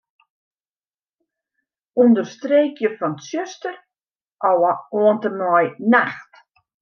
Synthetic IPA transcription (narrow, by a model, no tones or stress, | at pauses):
undərstreːkjəfɔnsjøstər | ʔawaoəntəmɔjnaxt